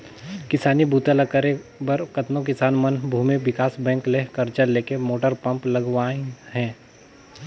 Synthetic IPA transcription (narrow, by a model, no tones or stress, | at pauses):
kɪsaːnibʱuːt̪aləkəɾebɐɾkɐt̪nok̬ɪsaːnmənbʱuːmeʋɪkaːsbɛ̃ːŋkleɦkɐɾt͡ʃəleːkemoːʈəɾpɐ̃mplɐɡwaːẽɦɛ̃ː